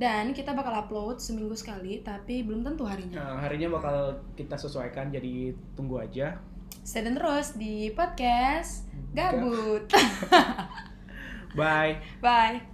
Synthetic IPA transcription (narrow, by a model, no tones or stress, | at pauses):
dankit̪abakalaplowt̪̚səmiŋɡusə̥kalit̪apibəlʊmt̪ənt̪uɦaɾiɲaɦaɾiɲabakalkit̪asəsuajkand͡ʒadit̪uŋɡuad͡ʒa | sadant̪əɾʊsdipod̪̚kɛsɡabʊt̪̚ | baj | baj